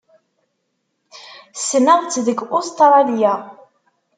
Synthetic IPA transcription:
sːnəðˤt͡sːðəɡʊst̪ɾˤɑdjæ

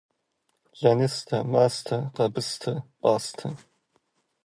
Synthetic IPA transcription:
ʒɐnɨstʰɐmaːstʰɐqɐbɨstʰɐpʼɑːstʰɐ

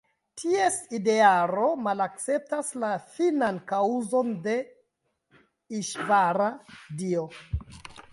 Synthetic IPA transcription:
tʰie̞side̞aɾo̞malak̚t͡se̞p̚taslafinankauzo̞nde̞ | iʃvaɾadio

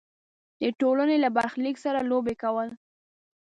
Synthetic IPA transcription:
d̪əʈolənelabaɾxliksaɾalobekawəl

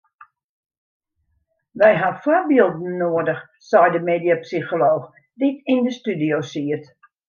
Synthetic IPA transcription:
ʋɛjɦafɔrbiəlˠdn̩ːoːədəx | sɛjdəmeːdjapsixoloːx | ditindəstydijoːsiət

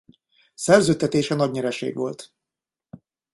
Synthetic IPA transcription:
sɛrzøːt̪ːɛt̪eːʃɛnɒɟnɛɾɛʃḛːɡʋo̞̰lt̪

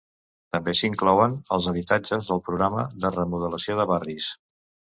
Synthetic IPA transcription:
t̪əmbesiŋklɔwənəlˠzəβit̪ad͡ʒəzðəlˠpɾuɣɾaməðərəmuð̞ələsioðəβaris

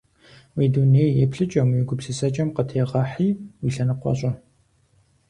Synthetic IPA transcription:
wiːdunejjɛpɬɨt͡ʃʼɐmjɪɡʷʊpsɨsɐt͡ʃʼɐmqətʰeːʁɐħiːwiːɬɐnɨqʷɔ̰ɕʼɐ

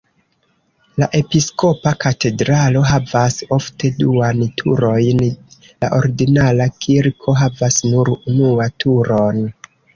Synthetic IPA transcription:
laʔe̞pisko̞pakate̞dɾalo̞ɦavaso̞fte̞duantʰṵɾo̞jn | la̰ʔo̞̰ɾiɡinalakʰiɾkʰo̞ɦavasnuɾunuatʰuɾo̞n

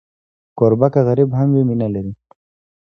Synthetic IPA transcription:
koɾbakaɣaɾibɦamwiminalaɾi

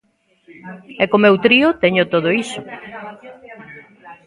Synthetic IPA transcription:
ɛkomewt̪ɾiʊt̪ɛɲʊt̪oðoisʊ

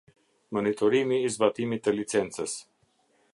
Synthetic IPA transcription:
monit̪oɾimiːzbat̪imit̪əlit̪sɛnt̪səs

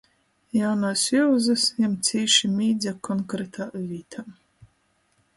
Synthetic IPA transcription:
jawnaːsjuːzɨsjamt̪sʲiːʃimʲiːd̪zʲakɔŋkɾɛt̪ʰaːvʲiːt̪ʰam

